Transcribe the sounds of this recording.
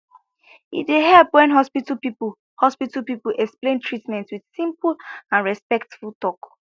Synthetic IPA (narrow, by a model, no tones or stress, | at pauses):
ḭtdeɦɛlpwɛ̃nɦɔspitəlpip | hɔspitəpipulɛksplẽntʰɹitmɛ̃ntwið̥sĩmpəlãnɹɛspɛktfulˠtɔk